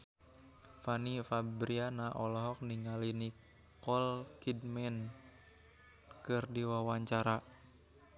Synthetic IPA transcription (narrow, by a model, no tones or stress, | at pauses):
fanifabɾianaʔɔlɔɦɔk̚niŋalini | kɔlkidmɛn | kɨrdiwawaɲt͡ʃaɾa